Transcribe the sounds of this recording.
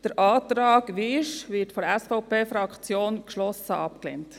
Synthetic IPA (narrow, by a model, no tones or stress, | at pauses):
d̥əɾʔɑːt̪ɾɑːkʋiɪʃʋɪtfɔɾɛsfaʊpeːfɾɑkχt͡sjoːnkʃlɔsəʔɑpklḛnt